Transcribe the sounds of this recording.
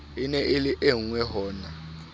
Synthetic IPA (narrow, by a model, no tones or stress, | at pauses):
inɛʔeliʔeŋwɛɦɔːna